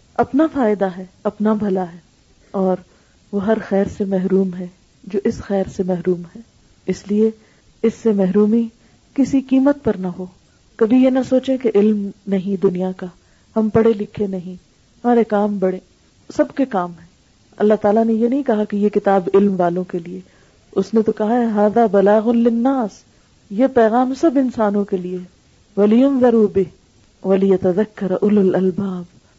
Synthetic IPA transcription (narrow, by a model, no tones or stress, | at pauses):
ɐpnafaːɪd̪aɦɛːɐpnabʱɐlaɦɛː | ɔːɾ | ʋoɦɐɾxɛːɾsemɛɦɾuːmɦɛ | d͡ʒoːʔɪsxɛːɾsemɛɦɾuːmɦɛː | ɪslie | ɪsːemɛɦɾuːmi | kɪsikiːmət̪̚pɐɾnaɦoː | kɐbʱijenɐsoːt͡ʃẽkeʔɪlmnɐɦĩd̪ʊnijaka | hɐmpɐɽelɪkʰenɐɦĩ | ɦɐmaːɾekaːmbɐɽẽː | sɐbkekaːmɦɛ̃ː | ɐ̰lːaɦt̪aːlanejenɐɦĩkɐɦakejekɪt̪aːbɪlmʋaːlõkelie | ʊsnẽt̪okɐɦaɦɛɦaːðaːbɐlaːɣʊnlɪnːaːs | jepɛːɣaːmsɐbɪnsaːnõkelieɦ | wɐlɪjʊnðɐɾuːbɪɦ | ʋɐlɪjɐt̪ɐðɐkːɐɾʔʊlɐlɐlbaːb